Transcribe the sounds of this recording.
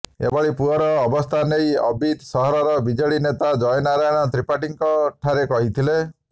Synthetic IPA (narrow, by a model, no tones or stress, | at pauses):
ḛbɔɭipuɔɾɔːbɔst̪ʰanejɔbʱid̪sɔɦɔɾɔɾɔbid͡ʒɔɭinet̪ad͡ʒɔjɔnaɾajɔɽ̃ɔt̪ɾipaʈiŋkɔʈʰaɾekɔɦit̪ʰile